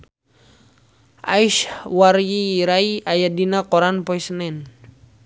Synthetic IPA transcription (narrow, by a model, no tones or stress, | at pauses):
ʔaiʃwaɾjiɾaiajadinakɔɾanpɔisənɛn